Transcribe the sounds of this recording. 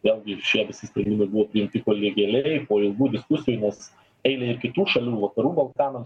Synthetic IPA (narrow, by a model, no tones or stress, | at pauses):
ʋʲeːlʲˠɡʲɪʃʲiɛʋʲɪsʲɪsʲpɾʲɛnd̪ʲɪmɐɪbʊʋoːpʲɾʲɪɪmʲt̪ʲɪkoːlʲiɡʲɛlʲɛɪpoːɪlˠɡuːd̪ʲɪskʊsʲɪjuːnʲɛs | ɛɪlʲɛɪɾkʲɪt̪uːʃɐlʲuːʋɐkɐɾuːbɐlˠkɑːnɐms